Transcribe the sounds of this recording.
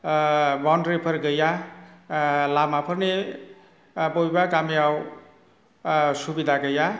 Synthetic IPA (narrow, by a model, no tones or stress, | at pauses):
bawnɖɾepʰʌɾɡʌja | lamapʰʌrne | bʌibakamiaw | subid̪ʱaɡʌja